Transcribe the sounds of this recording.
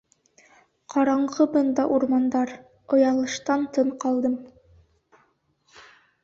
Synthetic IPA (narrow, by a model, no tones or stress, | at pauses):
qʰɑɾɑɴʁɤbɤnd̪ɑʔuɾmɑnd̪ɑɾ | ŏjɑlˠɤ̆ʃt̪ɑnt̪ɤɴqɑlˠd̪ɤm